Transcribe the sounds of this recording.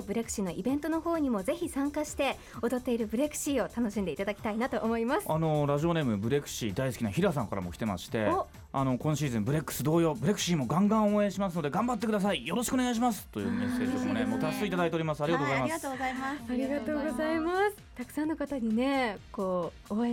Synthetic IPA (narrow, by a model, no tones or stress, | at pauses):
bɯ̟ɾekɯ̟ɕino̞ʔibẽ̞nt̪o̞no̞ho̞ːɲ̟imo̞ze̞çʲisãŋkaɕi̥t̪e̞ | od̪o̞t̪ːe̞iɾɯ̟bɯ̟ɾe̞kɯ̟̥ɕiːo̞t̪ano̞ɕĩnd̪e̞it̪ad̪akʲi̥t̪ainat̪o̞ʔːmo̞imasɨano̞ɾaʑio̞ne̞ːmɯ̟bɯ̟ɾe̞kɯ̟̥ɕiːd̪aisɨ̥kʲinaçiɾas̬ãŋkaɾa̰mo̞ki̥t̪e̞ma̰ɕi̥t̪e̞ | ano̞kõ̞ɕiːzẽmbɯ̟ɾe̞kːɯ̟̥sɨd̪o̞ːjo̞ːbɯɾe̞kɯ̟̥ɕiːmo̞ɡãŋɡãɰ̃oẽɕimasɨno̞d̪e̞ɡãmbat̪̬ːe̞kɯ̟d̪as̬aijo̞ɾo̞ɕi̥kɯoneaiɕ̬imasɨ̥t̪ːo̞jɯ̰ːmesːeːʑi̥okɯmo̰nemoːt̪asɨit̪ad̪ait̪eoɾʲimasɨaɾiɡatoɡozaimat̪oamaaɾʲiɡat̪oːɡo̞zaimasɨ̥t̪akɯ̥sãnːokat̪aɲ̟ine̞koː | o